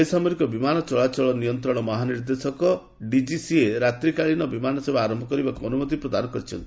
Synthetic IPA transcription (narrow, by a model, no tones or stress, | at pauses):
jsamɔɾikɔbimanɔt͡ʃɔɭat͡ʃɔɭɔnijɔnt̪ɾɔɽ̃ɔmɔɦaniɾd̪esɔkɔ | ɖid͡ʒisieɾat̪ɾikaɭinɔbimanɔsebaaɾɔmbʱɔkɔɾibakuɔnumot̪ipɾɔd̪anɔkɔɾit͡ʃʰɔnt̪i